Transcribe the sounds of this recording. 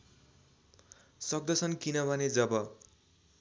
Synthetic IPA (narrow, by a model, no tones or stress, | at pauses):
sʌɡ̚d̪ʌsʰʌnkinʌbʱʌned͡zʌbʌ